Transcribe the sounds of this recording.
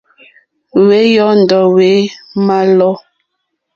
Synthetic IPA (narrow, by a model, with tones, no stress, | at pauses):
we˨˦jɔ˦n̩˨dɔ˨we˨˦ma˦lɔ˦